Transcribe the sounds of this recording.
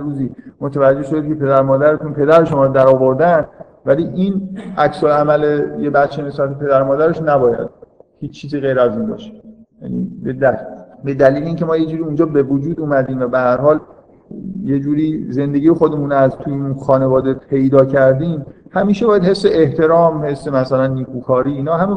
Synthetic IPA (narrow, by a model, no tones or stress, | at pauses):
ruziːmot̪ʰævæd͡ʒːe̞hʃod̪ecʰʲepʰe̞d̪æɾmɒːd̪æɾet̪ʰunpʰe̞d̪æɾe̞ʃomɒːɾod̪æɾɒːvo̞ɾd̪æn | væliːʔinæcsolæmælejebæt̪t͡ʃʰːene̞sbæt̪ʰepʰe̞d̪æɾmɒːd̪æɾeʃnæbɒːjæ̰d̪̥̚hiːt͡ʃːt͡ʃʰːiːziːɣe̞jɾæziːnbɒ̰ːʃe̥jæ̰nḭːbed̪æbe̞d̪æliːleiːncʰe̞mɒːjed͡ʒuːɾiund͡ʒɒːbe̞vod͡ʒuːd̪uːmæd̪iːmvæbehæɾhɒːl | jed͡ʒuːɾiːze̞nd̪e̞ɡijexod̪e̞muːnæzt̪ʰujeunxɒːne̞vɒːd̪epʰe̞jd̪ɒːcʰæɾd̪iːmhæmiːʃebɒːjæd̪he̞sːe̞ʔeht̪ʰe̞ɾɒːmhe̞sːemæsælænːiːkʰuːkʰɒːɾiːiːnɒːɦæme